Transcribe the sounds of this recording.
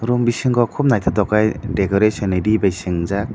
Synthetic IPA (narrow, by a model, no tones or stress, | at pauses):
ɾumbisɯŋɡɔkʰup̚najt̪ʰadɔkajdekɔɾesɔnidibajsɯŋzak̚